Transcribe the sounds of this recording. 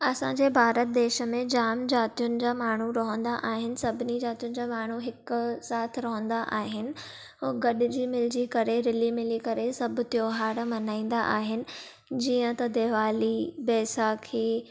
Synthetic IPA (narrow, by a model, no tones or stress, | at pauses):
ɐsãɲd͡ʑeːbʱaːɾət̪̚d̪eːʃə̆mẽd͡ʑaːmd͡ʑaːt̪ijʊnɪ̆d͡ʑaːmaːɳ̤uɾɐɦə̃nd̪aʔaːɦɪnɪ̆sɐbʱɪnid͡ʑaːt̪ijʊnɪ̆d͡ʑaːmaːɳ̤uɦɪksaːt̪ʰɾɐɦə̃nd̪aʔaːɦɪnɪ̆ | ɡɐɗɪ̆d͡ʑiːmɪld͡ʑiːkɐɾeɾɪlimɪlikɐɾesɐbʱt̪joːɦaːɾmɐnaːĩːn̆d̪aʔaːɦɪnɪ̆ | d͡ʑiːə̃t̪ɐd̪eːʋaːlibɛːsaːkʰiː